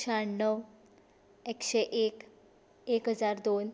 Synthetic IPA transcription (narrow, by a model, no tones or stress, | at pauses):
ɕaɳnəw | ekɕeʔek | ekɦəd͡zaɾd̪on